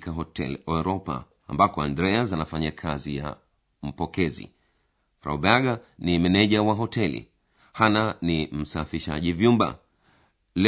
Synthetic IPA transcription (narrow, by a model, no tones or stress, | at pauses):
kaɦɔtɛ̰lɔɾɔpa̰ː | mbakɔandɾɛazanafaɲakʰazija̰ | m̩pɔkɛzḭ | ɾa̰ubaaɡanimɛnɛʄawaɦɔtɛlḭ | hananim̩safiʃa̰ʄivjumba̰ | lɛ